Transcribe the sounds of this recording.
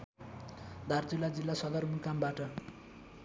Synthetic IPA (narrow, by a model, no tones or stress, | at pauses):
d̪ʱart͡silːad͡zilːasʌd̪ʌrmukambaʈʌ